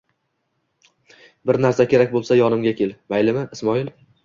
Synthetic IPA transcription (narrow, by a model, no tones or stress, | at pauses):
bɪɾnaɾsakʲʰe̞ɾakʲbolˠsajɒnɪmɡʲakʲe̞lmajlɪmɪɪsmɒɪl